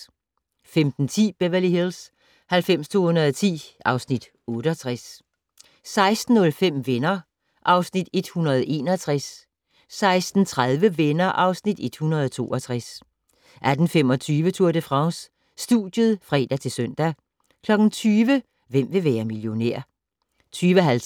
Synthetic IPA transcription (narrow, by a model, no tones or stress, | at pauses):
femd̥n̩t͡sʰḭːb̥eʋæliɦils | hælfem̰st͡sʰo̝̰ːhunɐðˠt͡sʰḭːʔɑ̈ʊsnid̥ | ɔ̽ːɾ̥əɒt͡sʰʁas | sɑ̈ɪsd̥n̩nɔ̽lfem̰ʋenɐ | ʔɑ̈ʊsnid̥e̝d̥hunɐð̞ˠe̝ːnɒt͡sʰʁasː | ɑ̈ɪsd̥n̩t͡sʰʁaðˠʋəʋenɐʔɑ̈ʊsnid̥e̝d̥hunɐð̞ˠɒt͡sʰo̝̰ːʔɒt͡sʰʁas | ʔæd̥n̩fem̰ɒ̽t͡sʰyːʋət͡sʰuɐ̰d̥əfʁɑ̈ŋsː | d̥ud̥jəð̩ˠfʁɛ̰ːd̥æt͡sʰe̝lsœn̰d̥æ | kʰlɒ̽ɡ̥n̩t͡sʰyːʋə | ʋem̰ʋe̝ʋæːɐmiljo̝neɐ̰ | t͡sʰyːʋəɦæl